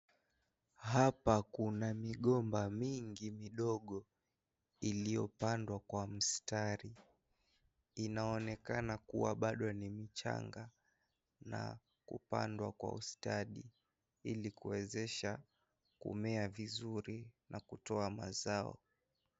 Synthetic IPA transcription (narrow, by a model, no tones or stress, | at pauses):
hapakunamiɠɔmbamiŋɡimiɗɔɠɔ | ilijɔpandwakwam̩staɾi | inaɔnɛkanakṵwaɓaɗɔnimit͡ʃa̰ŋɡa | na̰ | kṵpa̰ndwakwa̰ustaɗi | ilikuwɛzɛʃa | kṵmɛavizuɾinʔakutɔama̰zaɔ̰